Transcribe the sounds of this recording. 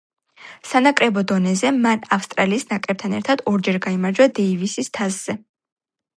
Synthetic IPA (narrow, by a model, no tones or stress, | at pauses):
sanakʼɾɛbɔd̪ɔnɛzɛmanafst̪ʼɾaliːsnakʼɾɛp̚t̪ʰanɛɾt̪ʰad̪ɔɾd͡ʒɛɾɡaimaɾd͡ʒwad̪ɛivisist̪ʰazz̥ɛ